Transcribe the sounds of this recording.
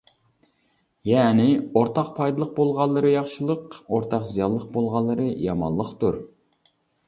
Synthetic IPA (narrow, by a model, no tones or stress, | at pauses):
jɛːnɪoɾt̪ʰɑqpʰɑjd̪ɨlˠəq̚bolˠʁɑlˠːɨɾɨjɑχʃɨlˠəqoɾt̪ʰɑqzijɑlˠːəq̚bolˠʁɑlˠːɨɾɨjɑmɑ̰lˠːəqt̪uɾ